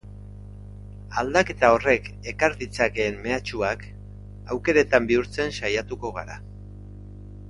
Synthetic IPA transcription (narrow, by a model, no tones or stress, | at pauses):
ald̪ake̞t̪ao̞re̞k | e̞kaɾðit͡sake̞ːmme̞at͡ʃuak | awke̞ɾet̪ambiuɾt͡se̞nsajat̪uko̞ɣ̞a̰ɾa̰